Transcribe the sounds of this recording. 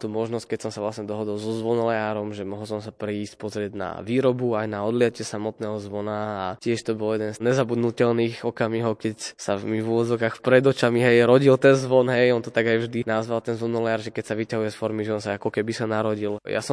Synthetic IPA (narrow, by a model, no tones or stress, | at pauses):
t̪uːmɔʒnɔsc̚kɛcsɔmsavʋlasɲɛd̪ɔɦɔd̪ɔlˠzɔzʋɔnlɛaːɾɔmʒɛmɔɦɔlˠsɔmsapɾɛːsc̚pɔzɾɪɛɟna̰ʋiːɾɔbuajnaɔd̪lɪacɪɛsamɔt̪nɛːɦɔzʋɔnaacɪɛʃt̪ɔbɔljɛd̪ɛnzɲɛzabud̪nucɛlniːxɔkamiɦɔkɛcsamivuʋɔd͡zɔʊkaːxpɾɛd̪ɔt͡ʃamiɦɛjɾɔɟilt̪ɛnzʋɔnɦɛjɔnt̪ɔt̪aɡajvʒd̪inazʋalt̪ɛnzʋɔnɔlɛaːɾʒɛkɛcsaʋicaɦujɛsfɔɾmiʒɛɔnsaakɔkɛbisanaɾɔɟilja̰sɔm